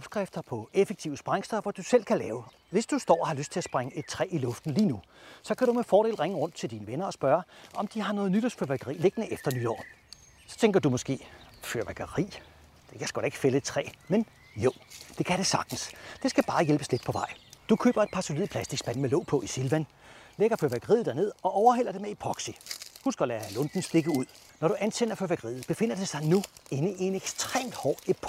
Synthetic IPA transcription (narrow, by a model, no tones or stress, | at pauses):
ɒ̽b̥sɡ̥ʁafd̥ɐpʰɒ̽efeɡ̥̚t͡sʰiʊəsb̥ʁaŋsd̥ɒʋɒd̥usel̰kʰælɛːʊə | ʋe̝sd̥usd̥ɒ̰ːɒhɑløsd̥̚t͡sʰe̝æsb̥ʁaŋəʔe̝d̥̚t͡sʰʁɛ̰ːilɔ̽fd̥n̩liːnu | sɒ̽kʰæɾ̥umefɒːɾ̥e̝̰ːlʁeŋəʁɔ̽n̰d̥t͡sʰe̝ld̥iːnəʋenɐɒ̽sb̥ɶɐʔɒ̽md̥ihɑ̈nɔ̽ːð̩ˠnyɾ̥ɒsføɐʋæɡ̥əʁḭːle̝ɡ̥ənəʔefd̥ɐnyd̥ɒ̰ː | sɒ̽t͡sʰeŋɡ̥ɐdumɒ̽sɡ̥e̝̰ːføɐʋæɡ̥ɐʁḭː | d̥e̝kʰæsɡ̥ɒ̽ɾ̥e̝ɡ̥ə̥fele̥t͡sʰʁɛ̰ːmen | jo̝d̥e̝kʰæɾ̥e̝sɑ̈ɡ̥̚d̥n̩sd̥e̝sɡ̥æb̥ɑ̈ːjelb̥əsled̥pʰɒ̽ʋɑ̈ɪ̰d̥ukʰø̰ːb̥ɐe̥pʰɑ̈solḭð̩̰ˠpʰlæsd̥iɡ̥sb̥æn̰̩melɔ̽ʊ̰pʰɒ̽ʔisilʋæn | leɡ̥ɐføɐʋæɡ̥əʁḭð̩ˠd̥æɐne̝ð̰ˠɒ̽ʔɒʊɐɦel̰ɐd̥e̝meipʰʁɒ̽ɡ̥sihunsɡ̥ɐlæælɔ̽nd̥n̩sd̥e̝ɡ̥əuð̞̰ˠ | nɒɾ̥uʔænsʰen̰ɐføɐʋæɡ̥ɐʁḭːð̩ˠb̥e̝fe̝n̰ɐd̥esɑ̈ɪnue̝nəie̝neɡ̥sd̥ʁḛːmd̥hɒːepʰ